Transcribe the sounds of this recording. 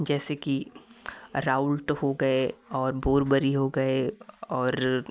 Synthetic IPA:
d͡ʒɛːseki | ɾaːʊlʈhoɡɐeɔːɾboːɾbəɾiɦoɡɐeɔːɾ

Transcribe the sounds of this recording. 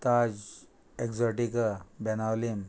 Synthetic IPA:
t̪ad͡ʑ | ekzɔʈikəbɛnalim

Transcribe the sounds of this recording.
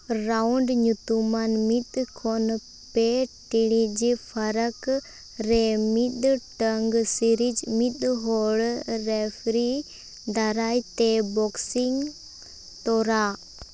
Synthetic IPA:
ɾawɳɖɲut̪umanmit̪̚kʰɔn | pɛʈiɽid͡ʒpʰaɾək | ɾɛmit̪̚ʈəŋɡsiɾid͡ʒmit̪̚ɦɔɭɾɛpʰɾi | d̪aɾajt̪ɛbɔksiŋ | t̪ɔɾa

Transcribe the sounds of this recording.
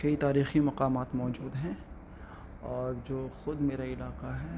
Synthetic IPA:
kɐit̪aːɾiːximɐqaːmaːt̪mɔːd͡ʒuːd̪ɦɛ̃ | ɔːɾd͡ʒoːxʊd̪meːɾaɪlaːqaɦɛː

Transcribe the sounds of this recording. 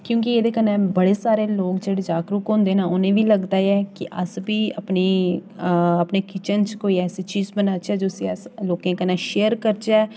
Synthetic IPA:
kjõːkieːd̪eːkənɛ̃ːbəɽeːsaːɾeːloːkd͡ʒeːɽeːd͡ʒaːkɾukɦõːnd̪eːnaːʊnẽːʋiːləɡd̪aːɛːkɪʔəsbiːəpniː | əpneːkɪt͡ʃənt͡ʃkoːiːɛːseːt͡ʃiːzbənaːt͡ʃɛːd͡ʒoːəsĩːɛsloːkẽːkənãːʃeːəɾkəɾt͡ʃaː

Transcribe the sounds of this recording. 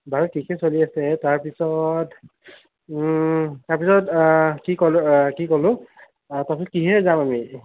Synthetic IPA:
baɹukikɛsoliasɛtaɹpisɔt | taɹpisɔtkikɔlkikɔlʊ̃ | taɹpisɔt̚kiɦɛzamami

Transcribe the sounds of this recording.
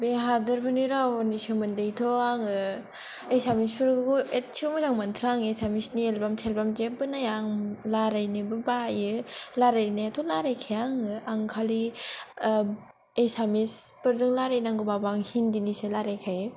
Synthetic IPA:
beɦadɯɾpʰɯniɾanisomɯndejtʰoaŋɯ | esamispʰɯɾɡɡuet̚sʰiomɯzaŋmantʰɾaŋesamisnielbamtʰelbamd͡ʒebɯnajaŋlaɾajnibɯbajɯlaɾajnaatʰɔlaɾajkʰejaŋɯaŋkʰali | esamispɯɾzɯŋlaɾajnaŋɡɯbabaŋhindiniselaɾajkʰajɯ

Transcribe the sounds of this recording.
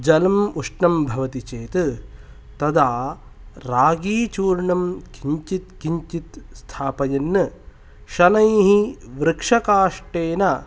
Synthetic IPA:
d͡ʒɐlɐmuʂɳɐmbʱɐʋɐt̪it͡ʃeːt̪ɨ | t̪ɐd̪aː | ɾaːɡiːt͡ʃuːɾɳɐmkiɲt͡ʃit̪kiɲt͡ʃit̪st̪ʰaːpɐjɐnːɨ | ʃɐnɐjɦiʋɾɪkʂɐkaːʂʈeːnɐ

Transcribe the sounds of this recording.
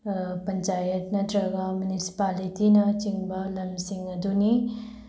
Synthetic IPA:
pɐnt͡ʃajɐt̚nɐdɾɐɡɐmunisi̥palitinɐt͡ʃiŋbɐlɐmsiŋɐduni

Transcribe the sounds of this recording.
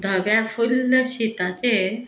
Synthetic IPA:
d̪ʱəʋjafulːəɕit̪at͡ɕe

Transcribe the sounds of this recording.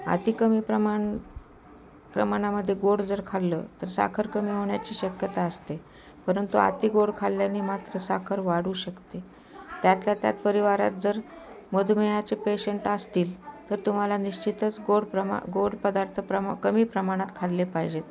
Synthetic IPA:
a̰t̪ikəmiːpɾəmaɳ | pɾə̰maɽ̃aməd̪ʱːjeɡoɽd͡zəɾkʰalːəːt̪əɾsa̰kʰəɾkəmiːɦoɳjat͡ɕiːɕəkjət̪aəst̪e | pəɾənt̪ua̰t̪iːɡoɽkʰalːjaniːmat̪ɾəsa̰kʰəɾʋaɽuːɕəkt̪e | t̪jat̪ljat̪ja̰t̪̚pəɾiʋaɾa̰t̪̚d͡zəɾ | məd̪ʱumejat͡sepeɕəɳʈəst̪iːlt̪əɾt̪um̤alaniɕt͡ɕit̪ət͡sɡoɽpɾəm̰ɡoɽpəd̪aɾt̪ʰəpɾəmkəmiːpɾəmaɽ̃at̪kʰalːepaɦid͡ʑet̪

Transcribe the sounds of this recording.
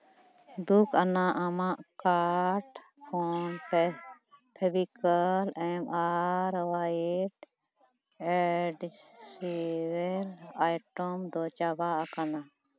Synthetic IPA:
d̪ukʰanaʔamaʔkaɾʈ | pʰɔn | pʰɛbikəlɛmaɾwaiʈ | ɛɖsiwɛlajʈɔmd̪ɔt͡ʃabaʔakana

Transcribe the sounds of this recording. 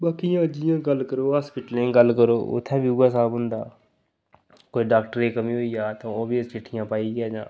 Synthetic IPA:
ɓaːkijãːd͡ʒɪjãːɡəlkəɾoːɦaːspɪʈəlẽːɡəlkəɾoːʊ̰t̪ʰːɛ̃ːbiuːaːsaːbɦʊ̃nd̪a̰ː | koːiɖaːkʈəɾeːkəmĩːɦoiːjaːt̪õoːbiəzt͡ʃɪʈʰːɪjãːpaːiɡjaːd͡ʒã̰ː

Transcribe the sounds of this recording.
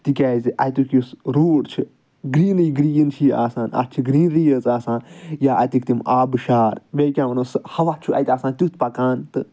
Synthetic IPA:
t̪ikʲaːziʔɐjt̪ukjusɾuːɽt͡ʃʰi | ɡɾiːnɨjiɡɾiːjɐnt͡ʃʰiːa̰ːsaːnɐ̰t̪t͡ʃʰiɡɾiːnɾiːəzaːsaːnjaːɐt̪ukt̪imaːbɨʃaːɾʋʲeːkʲãːʋɐnoːshɐʋat͡ʃʰuʔɐ̰jt̪ʲaːsaːnt̪ʲut̪ʰpɐkaːnt̪ɨ

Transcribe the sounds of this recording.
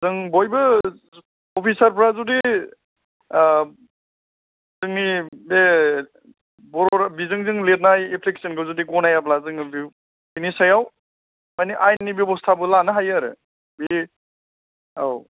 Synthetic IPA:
zɯŋbɔjbɯ | ɔpʰisaɾpʰɾazudi | zɯŋnibe | bɔɾɔɾabizɯŋzɯŋlet̚najepʰleksenɡɯwzudiɡɔnajaplazɯŋbi | binisajaw | majniʔajnibebɔstʰabɯlanɯɦajaɾɯ̰ | bi | a̰w

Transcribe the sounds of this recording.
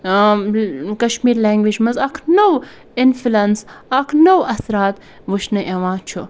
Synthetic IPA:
kɐʃmiːɾlɛːŋɡʋid͡ʒmɐzakʰnow | ɪnfulɐnsɐkʰnowɐsɾaːt̪ | ʋuʃnɨʔeʋãːt͡ʃʰu

